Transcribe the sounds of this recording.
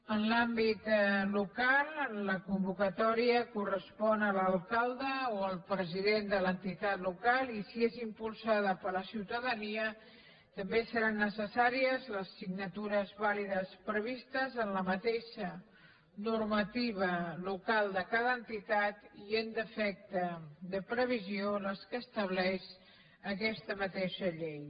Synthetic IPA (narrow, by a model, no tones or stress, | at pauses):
ənlambit̪lukalˠləkumbukət̪ɔɾiəkurəspɔnələlˠkalˠd̪əoəlˠpɾəziðend̪ələnt̪it̪at̪lukalˠisiezimpulˠsaðəpələsiwt̪əðəniə | t̪əmbesəɾanːəsəsaɾiəzləsːiɡnət̪uɾəzβaliðəspɾəβ̞ist̪əzənləmət̪eʃə | nuɾmət̪iβəlukalˠd̪əkaðənt̪it̪at̪iend̪əfɛk̚t̪əðəpɾəβ̞izioləskəːst̪əβ̞lɛʃ | əkɛst̪əmət̪eʃəʎej